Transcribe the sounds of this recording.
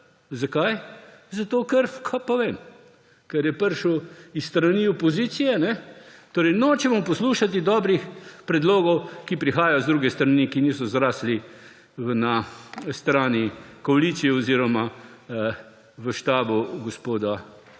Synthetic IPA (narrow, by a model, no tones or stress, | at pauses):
zakajzat̪oːkəɾkʰapɔʋeːm | kɛɾjɛpəɾʃəwisst̪ɾaniɔpɔziːt̪sijɛnɛt̪oːɾɛjnoːt͡ʃɛmɔpɔsluːʃat̪̬id̪ɔːbɾixpɾɛd̪loːɡɔwkipɾixaːjajɔzd̪ɾuːɡɛst̪ɾɐniːkiniːsɔzɾaːsli | nast̪ɾaːnikɔaliːt̪sijɛoziːɾɔma | ʋəʃt̪aːbuɡɔspoːd̪a